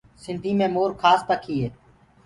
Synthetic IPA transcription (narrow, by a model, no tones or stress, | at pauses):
sɪnd̪ʱiːmẽːmoːɾkʰaːst̪əkʰiːɦeː